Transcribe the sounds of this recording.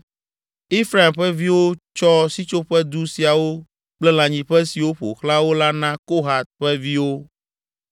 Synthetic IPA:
e˦fɾa˨i˨mɸɛ˦vi˦wo˦t͡ʃɔ˦si˦t͡ʃo˦ɸɛ˦d̪u˦si˨a˨wo˦ | k͡plɛ˦l̃ã˨ɲĩ˨ɸɛ˦si˨wo˦ɸo̰˨xla˦wo˦la˦nã˦ko˦ɦa˨t̪̚ɸɛ˦vi˦wo˦

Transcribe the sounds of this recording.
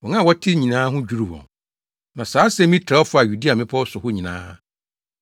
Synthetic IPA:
wɔ˨nã˦˨wɔ˦tʰɪ˦ɲĩ˨nãː˦ɦʊ̃˦d͡ʑu˦ɾu˦˨bɔ̰̃˨n | nã˨saː˨˦sɛ˦mĩ˦tʰɾɔ˦fʊ˦a˨ju˨di˦a˨mɪ̃˦pʰɔ˦ɔ˦sʊ˨hʊ˦ɲĩ˨nã̰ː˦

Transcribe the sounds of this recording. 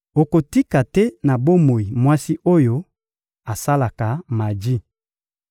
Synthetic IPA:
o˨ko˨ti˦ka˨tɛ˦na˨bo˦mo˨i˨mwa˦si˦ʔo˦jo˦ | a˨sa˦la˨ka˨ma˨d͡ʒi˦

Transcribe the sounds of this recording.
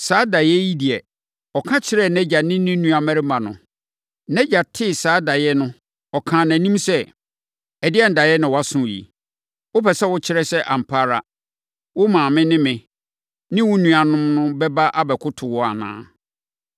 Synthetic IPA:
saː˨˦da˨jɛ˦ji˦di˨ɛ˨ | ɔ˨kʰã˦t͡ɕʰɪ˦ɾɛ˦nɛ̃˦d͡ʑa˨nɪ̃˦nɪ̃˦nũ˦a˨mæ̃˦ɾɪ˦mã˨nʊ̰̃˨ | nɛ̃˦d͡ʑa˨tʰɪ˦˨saː˨˦da˨jɛ˦nʊ̃˦ | ɔ˨kʰãː˨næ̃˨nĩ˦msɛ˦ | ɛ˨dɪ˦ɛ˦n̩˨da˨jɛ˦nɪ̃˨wɔ˨˦a˦sʊ̃˦˨jḭ˨ | wʊ˦pɛ˨sɛ˦wʊ˦t͡ɕʰɪ˦ɾɛ˦sɛ˦ʔa˨m̩˨pʰaː˦ɾa̰˨ | wʊ˦mãː˨mɪ̃˦nɪ̃˦mɪ̃˨ | nɪ̃˦wʊ˦nũ˨a˨nʊ̃˦mnʊ̃˦bɛ˦ba˦ʔa˦bɛ˨kʰʊ˦tʰʊ˨wɔ˦a̰˨nã̰ː˨˦

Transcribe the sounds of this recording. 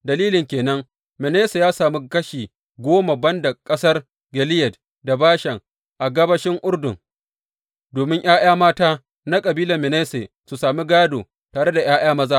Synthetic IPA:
dɐ˨liː˦lɪ˨ŋkʲeː˨nɐ˦ŋ | mɪ˨neː˦se˨jaː˦saː˨mi˦kɐ˦ʃiː˨ | ɡʷoː˦ma˨bɐ˦nda˨kʼɐ˦sɐ˦r | ɡɛ˨lɪ˦jɛ˨d | da˨baː˦ʃɛ˨ŋ | ʔa˨ɡɐ˦bɐ˦ʃɪ˦ŋʔʊ˦ɽdʊ˨ŋ | doː˨mɪ˦ŋʔj̰aː˦j̰aː˦maː˦taː˦ | na˦kʼɐ˨biː˦lɐ˨mɪ˨neː˦se˨ | su˨saː˨mi˦ɡaː˦doː˨ | taː˨ɽe˦da˨j̰aː˦j̰aː˦mɐ˦zaː˦

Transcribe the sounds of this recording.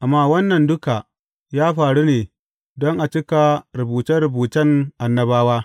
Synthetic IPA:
ʔa˨mːaː˦wɐ˦nːɐ˨ndʊ˦ka˨ | jaː˦ɸaː˨ɽuː˦neː˨ | dɔ˦ŋʔa˨t͡ʃɪ˦ka˨ɾʊ˨buː˨tɐ˦ɾʊ˨buː˨tɐ˦ŋʔa˨nːɐ˦baː˦waː˦

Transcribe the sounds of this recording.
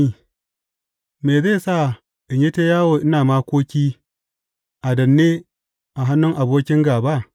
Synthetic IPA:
i˦ | meː˨zeː˦˨sa˦˨ | ʔɪ˨ɲji˦teː˦jaː˦woː˨ʔɪ˦naː˨maː˦kʷoː˦kʲiː˦ | ʔa˨dɐ˨nːeː˦ | ʔa˨ɦa˦nːʊ˦ŋʔa˨boː˦kʲɪ˦ŋɡaː˨ba˦ʔ

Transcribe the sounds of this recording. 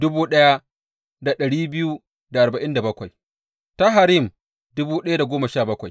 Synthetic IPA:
dʊ˦buː˦ɗɐ˦ja˦ | da˨ɗɐ˨ɽiː˦bɪ˦ju˦ | da˨ʔa˨ɾba˨ʔɪ˦nda˨bɐ˦kʷa˨j | ta˦ɦa˨ɾi˦˨m | dʊ˦buː˦ɗɐ˦ja˦da˨ɡʷoː˦ma˨ʃaː˦˨bɐ˦kʷa˨j

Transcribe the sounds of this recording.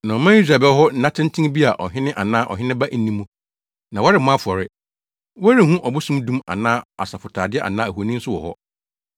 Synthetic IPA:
nã˨ɔ˨mã˦i˦s̬ɾa˨bɛ˦lɦɔ˦n̩˦nã˦tʰɪ̃˦n̩˦tʰĩ˦bi˦a˨ʔɔ̰˨ɦɪ̃˦nɪ̃˦ʔa˨nãː˦ʔɔ̰˨ɦɪ̃˦nɪ̃˦ba˦ʔn̩˨nĩ˦mũ˦ | nã˨wɔ˦ɾɪ˨m̩˨mã˦fɔ˨ɾɪ˦ | wɔ˦ɾi˦˨hũ˦ʔɔ˨bʊ˦sũ˦mdũ˦ma̰˨nãː˦a̰˨sa˨fʊ˨tʰaː˨dɪ˦ɛ˦ʔa̰˨nãː˦æ˨hu˨nĩ˦n̩˦sʊ˦wɔ̰˨hɔ̰˦

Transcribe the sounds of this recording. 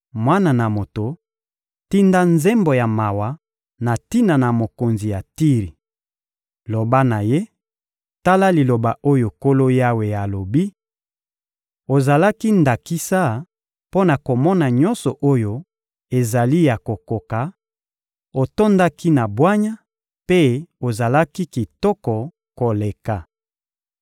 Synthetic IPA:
mwa˦na˨na˨mo˨to˨ | ti˦nda˦nze˦mbo˨ja˨ma˨wa˨ | na˨ti˦na˨na˨mo˨ko˨nzi˨ja˨ti˦ʁi˨ | lo˨ba˦na˨je˦ | ta˦la˦li˨lo˨ba˨ʔo˦jo˨ko˦lo˦ja˦we˨ja˨lo˨bi˦ | o˨za˨la˦ki˦nda˨ki˦sa˦ | po˦na˨ko˨mɔ˦na˨ɲɔ˦nsɔ˨ʔo˦jo˦ | e˨za˨li˦ja˨ko˨ko˨ka˨ | o˨to˦nda˦ki˦na˨bwa˦ɲa˦ | pe˦o˨za˨la˦ki˦ki˨tɔ˦kɔ˨ | ko˨le˨ka˨

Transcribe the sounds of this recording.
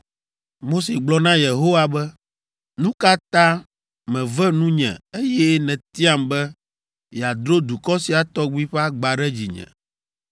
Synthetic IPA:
mo˦se˨ɡ͡blɔ˦nã˦je˨ɦo˦wa˨bɛ˦ | nũ˦ka˦t̪ã˦ | mɛ̃˨vɛ˦nũ˦ɲɛ̰̃˨e˦jɛ˦nɛ̃˨t̪i˦a˦mbɛ˦ | ja˨d̪ɾo˦d̪u˨kɔ˦si˨a˨t̪ɔ˦ɡ͡bi˦ɸɛ˦a˦ɡ͡ba˨ɖɛ˦d͡ʑi˨ɲɛ̰̃˨

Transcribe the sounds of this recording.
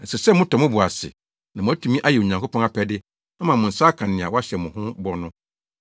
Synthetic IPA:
n̩˨sɛ˨sɛ˦mʊ̃˦tʰɔ˨mʊ̃˦bʊ˨a˨sɪ̰˨ | nã˨mʊ̃˨˦a˦tʰũ˨mĩ˦ʔa˦jɛ˨o˨ɲã˨ŋkʰo˦pʰɔ̃˦ŋa˦pʰɛ˦dɪ˦ | a˦mã˨mʊ̃˨n̩˨saː˦kʰã˨nɪ̃˨a˨wɔ˦a˦ɕɛ˨mʊ̃˨hʊ̃˦bɔ˦nʊ̃˦

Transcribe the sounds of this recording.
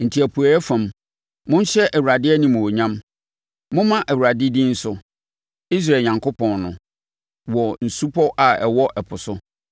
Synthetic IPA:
n̩˨tʰi˨æ˨pʰu˨a˨ɛ˦fã˨m | mʊ̃˦n˦ɕɛ˦ʔæ˨wu˨ɾa˨dɪ˦ɛ˦nĩ˨mʊ̃˨wo˨ɲã˦m | mʊ̃˦mã˦ʔæ˨wu˨a˨dɪ˦dĩ˦n̩˦sʊ˦ | i˦s̬ɾa˨ɲã˨ŋkʊ˦pʰɔ̃˨nnʊ̃˨ | wɔ˨n̩˨su˦pʰɔ˦ʔa˨ɛ˨wɔ˦ʔɛ˨pʰʊ˨sʊ˦

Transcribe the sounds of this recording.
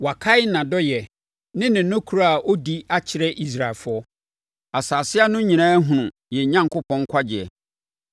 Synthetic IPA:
wa˨kʰa˦ɪ˦nã˨dɔ˦jɛ˨ | nɪ̃˦nɪ̃˨˦ʊ̃˦kʰu˨ɾa˦˨a˨ʔo˦di˦a˦t͡ɕʰɪ˨ɾɛ˦ʔi˦s̬ɾa˨lfʊ˦ɔ˦ | a˨saː˨sɪ˦a˦nʊ̃˦ɲĩ˨nã˦ɦũ˨nʊ̃˨ | jɛ˨ɲã˦ŋkʊ˦pʰɔ̃˦ŋ˦kʷʰa˦d͡ʑɪ˨ɛ˨

